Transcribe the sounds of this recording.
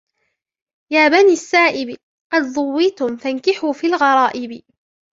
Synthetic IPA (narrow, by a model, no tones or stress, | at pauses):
jaːbaniːasːaːʔɪbɪ | qɑd̪ðˤʊwːɪt̪ʊmfankɪħuːfiːlɣɑɾˤɑːʔɪbɪ